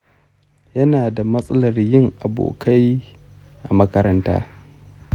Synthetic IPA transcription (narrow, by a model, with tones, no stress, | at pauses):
jɐ˦naː˨da˨mɐ˦sʼɐ˦lɐ˨rjɪ˦ŋʔa˨bo̰ː˨kʰa˦j | ʔa˨mɐ˦kɐ˦ɾɐ˦nta̰ː˦